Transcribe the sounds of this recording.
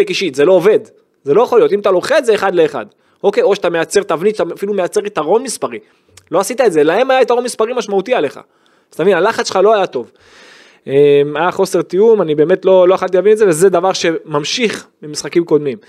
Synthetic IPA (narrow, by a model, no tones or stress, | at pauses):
ekiʃit̪ze̞lo̞ːve̞d̪ | ze̞lo̞jeχo̞ljo̞t̪imat̪alo̞χe̞dzeːχad̪leːχa̰d̪ | o̞kejoʃat̪ame̞jat͡seʁt̪avnit̪ʃat̪afilume̞jat͡se̞ʁit̪aʁo̞nmispaʁi | lo̞asit̪aetze̞lahe̞majait̪aʁo̞nmispaʁimaʃmaut̪iale̞χa̰ | z̥anevinalaχatsʃe̥χalo̞ajat̪o̞v | emajaχo̞se̞ʁt̪ijumanibe̞ːme̞t̪lo̞lo̞aχalt̪̬ilavinetzevezed̪avaʁʃe̞mamʃiχmimisχakimko̞d̪mim